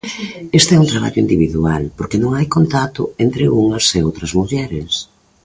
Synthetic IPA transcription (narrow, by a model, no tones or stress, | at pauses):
est̪ɛunt̪ɾaβa̰ʎʊind̪iβiðualpoɾkenõŋajkont̪at̪ʊent̪ɾɪuŋɐseowt̪ɾɐzmuʎɛɾɪs